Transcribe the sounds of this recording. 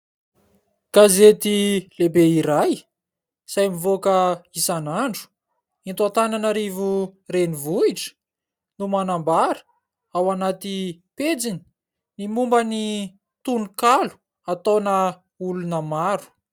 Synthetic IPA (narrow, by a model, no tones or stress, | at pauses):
kazet̪ilebeiɾaj | sajmivokəisanaɳɖ͡ʐu̥ | int̪at̪ananaɾivurenivuiʈ͡ʂə̥ | numanambaɾə̥ | awanat̪iped͡zini̥ | nimumbəni | t̪unukalu̥ | at̪onə | ulunəmaɾu̥